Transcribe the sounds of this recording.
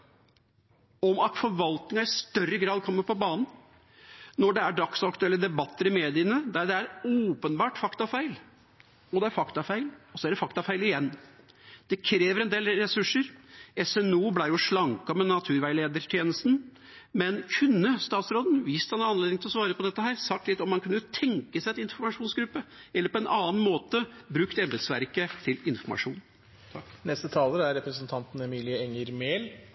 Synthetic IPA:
ɔmɑt̪fɔɾʋɑlt̪nɪŋɑɪst̪œrːəɡɾɑːd̪̚kʰɔmːəɾpʰɔbɑːnn̩ | nɔɖɛæɖɑksɑkt̪ʉɛlːəd̪ɛbɑt̪ʰːəɾɪmeːd̪ɪənəd̪æɖɛæɾoːpənbɑːʈfɑkt̪ɑfæɪl | ɔd̪ɛæɾfɑkt̪ɑfæɪlɔsɔæɖɛfɑkt̪ɑfæɪlɪjɛnː | d̪̥ɛkʰɾeːʋəɾɛnd̪eːlɾɛsʉʂːəɾɛsɛnuːblæɪjʊʂɭɑŋkɑmɛnɑt̪ʰʉːɾʋæɪleːd̪əʈʰjeːnəst̪n̩ | mɛnkʰʉnːəst̪ɑːt̪sɾoːd̪n̩ʋiːst̪hɑnæɑnːled̪ɪŋt̪ɪlɔsʋɑːɾəpʰɔd̪ɛt̪ːəɦæːɾsɑk̚t̪lɪt̪ːɔmhɑnkʰʉnːət̪ʰɛŋkəsæɪɑt̪ɪnfɔɾmɑʂuːnsɡɾʉpːəɛlːəɾpʰɔɛnʔɑːnmoːt̪əbɾʉkt̪ɛmb̪ɾəd̪sʋæ̰ɾkət̪ʰɪlɪnfɔɾmɑ̰ʂṵːn | nɛst̪ət̪ʰɑːləæɾɾɛpɾəsənt̪ʰɑnt̪n̩ɛmiːlɪəɛŋəɾmeːl

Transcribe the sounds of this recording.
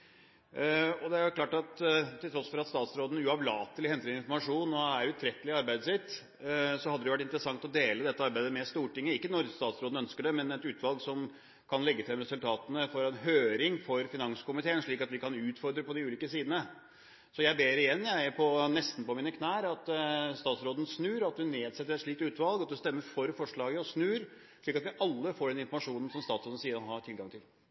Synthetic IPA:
ɔd̪ɛæɾjʊklɑːʈɑt̪t̪ʰːɪlt̪ʰɾɔsfɔɾɑt̪st̪ɑːt̪sɾoːd̪n̩ʉɑʋlɑːt̪əlɪhɛnt̪əlɪɪnfɔɾmɑʂuːnɔæɾʉt̪ʰɾɛt̪ːəlɪɑɾbæɪd̪əsɪt̪ː | sɔhɑd̪əd̪ɛʊʋæʈ̬ːɪnt̪ɾəsɑŋt̪ɔd̪eːləd̪ɛt̪ːəɑɾbæɪd̪əmɛst̪uːʈɪŋːəɪkːənɔɾst̪ɑːt̪sɾoːd̪n̩œnskəɖɛmɛnɛt̪ʉːt̪ʋɑlˠɡsɔm | kʰɑnlɛɡːət̪ɪlɛmɾɛsʉlt̪ʰɑːt̪ənəfɔɾɛnɦøːɾɪŋfɔɾfɪnɑŋskʊmɪt̪ʰeːənʂɭiːkɑt̪ʋɪkɑnʉːt̪fɔɾd̪ɾəpɔd̪ɪʉːliːkəsiːd̪n̩ə | sɔjæɪbeːɾɪjɛnːjæɪpʰɔnɛst̪n̩pɔmiːnəkʰnæːɾɑt̪st̪ɑːt̪sɾoːd̪ən̩snʉːɾɑt̪̚d̪ɪneːd̪sɛt̪ːəɾɛt̪ʂɭiːkt̪ʉːt̪ʋɑlˠɡɑt̪̚d̪ɛst̪ɛmːəɾfɔɾfɔʂɭɑːɡəɔsnʉːɾ | ʂɭiːkɑt̪ʋɪʔɑlːəfoːɖɛnɪnfɔɾmɑʂuːnən̩sɔmst̪ɑːt̪sɾoːd̪n̩siːəɾɔɦɑʈʰɪlɡɑŋt̪ʰɪl

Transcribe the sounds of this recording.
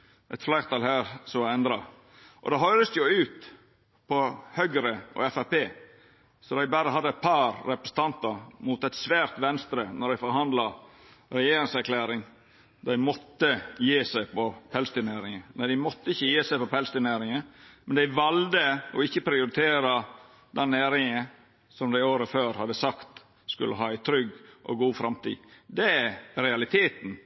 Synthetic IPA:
ʔɛt̪flæɪɾt̪ʰɑlhæːɾsɔmɑɛnd̪ɾɑ | ʔɔ̰d̪ɑːɦɔlːəsjʊʉːt̪ | pʰɔhœɡɾəʔɔ̰ɛfæpeː | sɔd̪æɪbæɾəɦɑd̪ːəɛt̪̚pʰɑɾːɛpɾəsə̥t̪ʰɑnt̪ɑɾmuːt̪ɛt̪sʋæːɾt̪ʋɛnst̪ɾənɔɾd̪æɪfɔɾhɑnd̪lɑ | ɾɛjeːɾɪŋsæɾkʰlæːɾɪŋ | d̪æɪmɔt̪ːəjeːsæɪpʰɔpʰɛlst̪ɪneːɾɪŋəmænd̪æɪmɔt̪ːəɪçːəjeːsæɪpɔpʰɛlst̪ɪneːɾɪŋəmɛnd̪æɪʋɑld̪əɔɪçːəpʰɾɪʊɾɪt̪ʰeːɾɑ | d̪ɛnːeːɾɪŋə | sɔmd̪æɪoːɾəføːɾhɑd̪ːəsɑkt̪ | skʉlʔə̰ɦɑːæɪt̪ʰɾʏɡʔɔ̰ɡuːfɾɑmt̪ḭːd̪ɛæɾɛɑlɪt̪ʰeːt̪n̩

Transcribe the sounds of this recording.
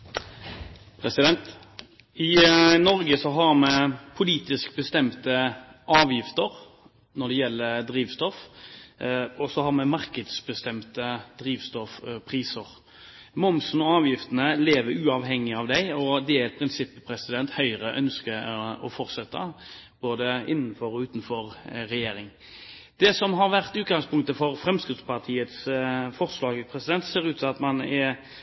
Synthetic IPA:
pʰɾɛsɪd̪ɛnt̪ | ɪnɔɾɡəsɔɦɑɾmɛpʰʊliːt̪ɪsk̚bəst̪ɛmt̪əʔɑːʋjɪft̪əɾ | nɔɖ̪ɛjɛlːəɾd̪ɾiːʋst̪ɔf | ɔsɔhɑʁmɛmɑɾkəd̪sbəst̪ɛmt̪əd̪̥ɾiːʋst̪ɔfpʰɾiːsəɾ | mʊmsn̩ɔɑːʋjɪft̪ənəleːʋəɾʉːɑʋɦɛŋːɪɑʋd̪æɪɔd̪ɛɛt̪̚pʰɾɪnsɪpːəpʰɾɛsɪd̪ɛnt̪hœʏɾəʔœnskəɔfɔɾt̪sɛt̪ːə̰b̥oːd̪əɪnːənfɔɾɔʉːt̪n̩fɔɾɾɛjeːɾɪŋ | d̪̥ɛsɔmɦɑɾʋæʁt̪ʉːt̪̚ɡɑŋspʰʊŋkt̪əfɔɾfɾɛmskɪt̪spɑʁt̪ʰiːət̪sfɔʁslɑːɡəpʰɾɛsɪd̪ɛnt̪seːɾʉːt̪sɑt̪mɑnɛ

